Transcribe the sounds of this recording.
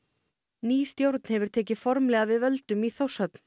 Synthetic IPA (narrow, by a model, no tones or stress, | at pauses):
niːst̪jowɾt̪̚n̥hɛvʏɾ̥t̪ʰɛːc̬ɪfɔɾmlɛːɣavɪðvœlt̪ʏmiθowshœp̚n̥